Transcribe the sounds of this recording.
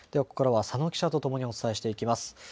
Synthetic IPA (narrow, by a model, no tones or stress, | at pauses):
d̪̥e̞βako̞̥koɾaβasano̞kʲi̥ɕat̪o̞t̪o̞mo̞ɲ̟io̞t͡sɨ̥t̪aeɕi̥t̪e̞ikʲimasɨ̥